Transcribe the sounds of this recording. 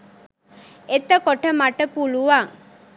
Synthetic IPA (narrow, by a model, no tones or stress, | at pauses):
et̪ːəkoʈəmaʈəpuluʋaŋ